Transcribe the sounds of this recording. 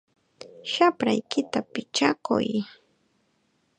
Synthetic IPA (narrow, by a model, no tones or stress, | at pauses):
ʃapɾajkɪt̪apɪt͡ʃakʊ̰j